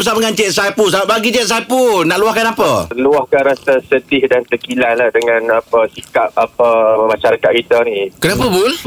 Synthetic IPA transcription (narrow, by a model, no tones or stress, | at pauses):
bəsamŋant͡ʃɛʔsapusabaʔ̚baɡit͡ʃɛt̪̚s̬ajpunaʔluahkanapəəluahkanɾasasədɪhdant̪əkilanlahdəŋãnapəsikap̚apəmãʃaɾakat̪̚kit̪ənikənap̬əbul